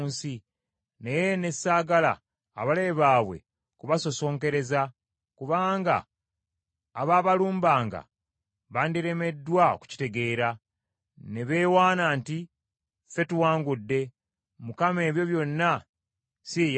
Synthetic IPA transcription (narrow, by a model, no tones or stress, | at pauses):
nsi | nejene̞saːɡala̰ː | βaleβaːβwe̞̰ | kuβaso̞so̞ːŋke̞ɾe̞za | kuβaːŋɡa̰ | βaːβaluːmbaːŋɡa̰ | βandiɾe̞me̞dːwaku̥ci̥te̞ɡe̞ːɾa | neβeːwaːnaːnti | fe̞tuwaːŋɡudːe̞ | mukame̞ːβjo̞βjo̞nːa | sij